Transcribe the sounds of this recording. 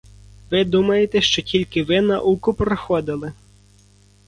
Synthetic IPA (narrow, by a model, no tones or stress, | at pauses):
ʋɪd̪umɐjet̪ɛʃt͡ʃɔtʲilʲkɪʋɪnɐ̰ʔukʊpɾɔxɔd̪ɪlˠɪ